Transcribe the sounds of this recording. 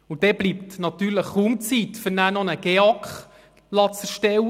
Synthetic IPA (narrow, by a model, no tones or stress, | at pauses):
ud̥̪ɛblipt̪nɑt̪yːɾləχumt͡sit̪fʏɾnæːnɔnəɡ̥ɛɑkχ | lɑt͡sɛɾʃtɛw